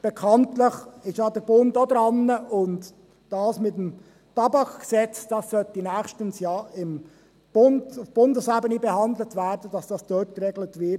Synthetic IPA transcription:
b̥əkʰɑntləχɪʃɑːd̥əbʊntodɾɑnːəʔʊnt | d̥ɑːsmɪtm | tɑbɑkɡ̥əsɛt͡sd̥ɑssɔlt̚d̥inɛːχʃtənsjɑːɪm | b̥ʊndfb̥ʊndəsabənibəhɑndl̩tv̥ɛːdən̩d̥ɑsd̥ɑsd̥ɔt̚ɡ̥əɾɛɡlətvɪt

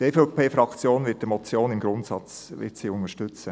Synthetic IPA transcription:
deːfɔʊpʰeːfɾɑkt͡sjoːnvɪt̚dəmɔt͡sjoːnɪmɡɾʊntsɑ̰t͡sʋɪ̰tsiʊŋəʃtʏt͡sə

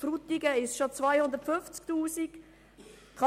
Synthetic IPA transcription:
frut̪iɡəɪsʃot͡svaɪhʊndətfʏnft͡sktuːsik | kʰɑ

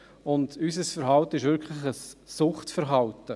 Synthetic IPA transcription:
ʊndysəsfəɾɦɑltəɪʃʋɪɾkʰχlɪχəsːʊχtfəɾɦɑltə

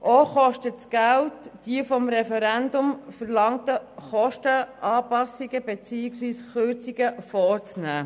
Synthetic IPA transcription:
ʔoχɔʃtətsɡ̥æltːd̥iəfɔmɾɛfɛɾændʊmfəɾlɑŋtəχɔʃtəʔɑːpɑsiɡəbet͡siːɪksʋiːsχøɾt͡siɡəfɔːɾt͡snæː

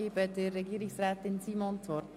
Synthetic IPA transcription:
ibədərːɛɡiːɾɪksrɛːtɪnsiːmɔntɔ

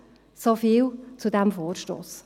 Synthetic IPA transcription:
sɔfiːwt͡sudɛmfoːɾʃto̰ːs

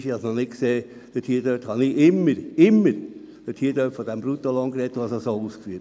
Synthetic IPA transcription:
ʃiɑsnɔnɪtkseː | d̥ətʰiːd̥øːthɑniʔɪmːəɾɪmːəɾ | d̥ətʰiːd̥øːtfɔd̪ɛmbɾut̪olɔŋkɾɛt̪̚duhɑsosoːuːskfyət

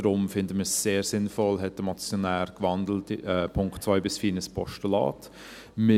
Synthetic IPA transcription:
ɾʊmfɪndəməsːeːɾsɪnfɔlɦɛt̚d̥əmat͡sjonæːɾkvɑndl̩tɛːpʰʊŋktt͡svaɪbɪsfiːnəspʰɔʃtəlɑ̰ːt | mɪ

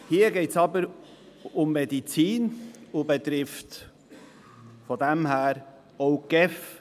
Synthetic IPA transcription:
hiːəɡɛɪtsɑbəɾ | ʊmːɛdit͡siːnʊbɛt̪ɾɪft | fɔd̪æmhæːɾ | oʊɡ̥ɛf

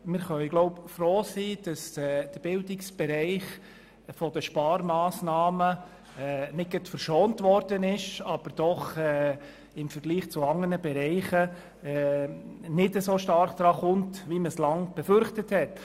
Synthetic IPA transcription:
mɪɾχœɪɡ̥loʊpfroːsiːd̥ɑsɛːd̥əb̥ɪldɪksb̥ɛɾɛɪχ | fɔd̥əʃpɑːɾmɑːsnɑːmə | ɛnɪt̚ɡ̥ətfəɾʃoːntʋɔɾd̥ənɪʃɑb̥əɾd̥ɔχɛ | ɪmfəɾɡ̥liːχt͡suɑŋənəbɛɾɛɪχə | ɛ | nɪdəsoːʃtɑɾχd̪̥ɾɑːχʊntʋiməslɑŋb̥ɛfʏɾχtəthɛt

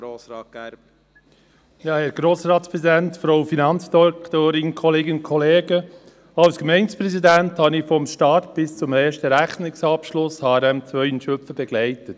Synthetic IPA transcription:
osɡ | jɑːhɛɾɡ̥ɾoːsɾɑːtspɾɛzidæntfɾoʊfinɑnt͡sdɔkt̪oːɾɪnkʰɔleːɡənnkʰɔleːɡə | ɑlskmɛɪnspɾɛsidænthɑnɪfɔmʃtɑːtb̥ɪst͡sʊmeːʃtəɾæχnɪksɑpʃlʊshɑɾɛmt͡sʋœʏənʃœfəbɛɡ̥lɛɪtət

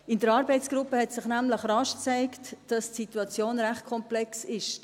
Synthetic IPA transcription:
ɪndəɾɑːɾbɛɪtsɡ̥ɾupəhɛtsɪχnæmləχrɑʃt͡sæɪktd̥ɑstsituɑt͡sjoːnɾæχt̚kʰɔmplɛksɪʃ

